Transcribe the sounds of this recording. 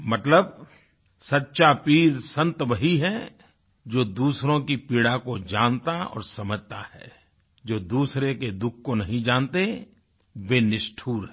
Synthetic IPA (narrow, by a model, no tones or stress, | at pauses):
mɐt̪ləb | sɐtːʃapiːɾsɐ̃nt̪bəɦiɦɛ | d͡ʒoːd̪uːsɾõkipiːɽakod͡ʒaːnt̪aɔ̰ːɾsɐməd͡ʒt̪ahɛ̰ː | d͡ʒoːd̪uːsɾeked̪ʊkʰkonɐɦĩd͡ʒaːnt̪e | ʋenɪʃʈʰuːɾɦɛ